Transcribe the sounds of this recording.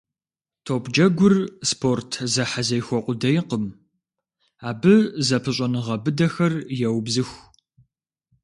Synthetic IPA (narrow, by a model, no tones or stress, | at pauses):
tʰopd͡ʒɐɡʷʊrspʰortʰzɐħazɐjxʷɔqʷʊdɐjqəm | aːbɨzɐpʰɨɕʷʼɐnɨʁɐbɨdɐxɐrjɛwbzɨxʷ